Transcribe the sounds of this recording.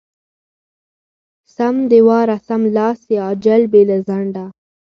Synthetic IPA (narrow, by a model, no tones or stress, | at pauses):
samd̪ɪwɑːɾasamlɑːseɑːd͡ʒalbelazaɳɖa